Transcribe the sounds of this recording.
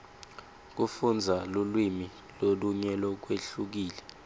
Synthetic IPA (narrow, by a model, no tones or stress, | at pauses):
k̬ufund͡zʱalulwimi | loluɲɛlɔk̬weɬuk̬iːlɛ